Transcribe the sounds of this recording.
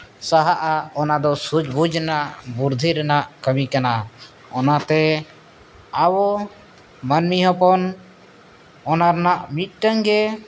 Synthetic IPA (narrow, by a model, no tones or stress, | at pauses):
saɦaʔaɔnad̪ɔsud͡ʒbud͡ʒnaʔbuɾd̪ʱiɾɛnaʔkəmikana | ɔnat̪ɛ | awɔ | mənmiɦɔpɔn | ɔnaɾnaʔmit̪̚ˀʈəŋɡɛ